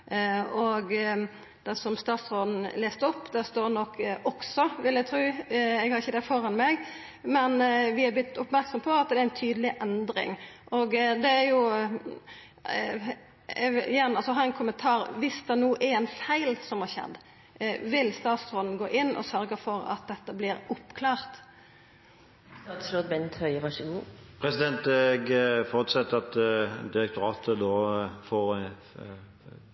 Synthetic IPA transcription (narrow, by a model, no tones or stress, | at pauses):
ɔɡ | d̪ɛsɔmst̪ɑːt̪sɾoːd̪n̩leːst̪ɔpːd̪ɛst̪oːɾnɔkʰːɔksɔʋɪlæɪt̪ʰɾʉːɛɡhɑɾɪçːəd̪ɛfɔɾɑnmɛɡ | mɛnʋɪɑblɪt̪ːʊpmæɾksɔmpʰɔɑt̪d̪ɛæɾɛnt̪ʰyːd̪əlɪʔɛnd̪ɾɪ̰ŋʔɔɡd̪ɛæjʊ | ɪjɛnːɑlsɔɦɑːɾɛnkʰʊmːənt̪ʰɑːɾʋɪsd̪ɛnuːʔæɾɛɪnfæɪlsɔmhɑɕɛ̰d̪ː | ʋɪlst̪ɑːt̪sɾoːd̪n̩ɡoːʔɪnːʔɔ̰sœɾɡəfɔɾɑ̰t̪̚d̪ɛt̪ːəblɪɾʊpːkʰlɑːʁt̪ | st̪ɑːt̪sɾoːd̪bɛnt̪hœʏəʋɑʂɪnəpʰʁɛsɪd̪ɛnt̪ɛɡfɔʁt̪sɛt̪ːəɑt̪d̪ɪɾɛk̚t̪ʊɾɑːt̪əd̪oːfoːɾ